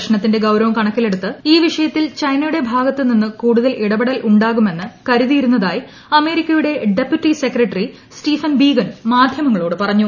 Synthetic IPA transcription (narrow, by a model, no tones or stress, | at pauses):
ʂɐnɳɐt̪ːinde̞ɡɐwɾɐʋɐmkɐɳɐkːile̞ɽut̪ːɨiːʋiʂɐjɐt̪ːilt͡ɕɐjnɐjuɽe̞bʱaːɡɐt̪ːɨninːɨkuːɽuðɐlʔiɽɐbiɽɐlʔuɳɖaːɣume̞nːɨkɐɾuðijiɾunːɐðaːji | ɐme̞ːɾikʲːɐjuɽe̞ɖe̞pjuʈːise̞krɐʈːɐri | sʈiːfɐnbiːɡɐnmaːd̪ʱjɐmɐŋːɐɭo̞ːɽɨpɐrɐɲːu